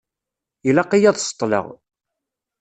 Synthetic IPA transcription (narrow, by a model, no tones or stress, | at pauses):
ilɑqːijæðˤsə̥t̪ˤːlə̰ʁ